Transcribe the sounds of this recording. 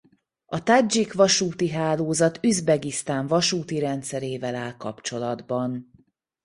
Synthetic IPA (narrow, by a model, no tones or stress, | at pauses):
ɒt̪ad͡ʒikʋɒʃuːt̪iɦaːloːzɒt̪yzbɛɡist̪aːɱvɒʃuːt̪iɾɛnt̪sɛɾeːvɛlaːlkɒpt͡ʃo̞lɒd̪bɒn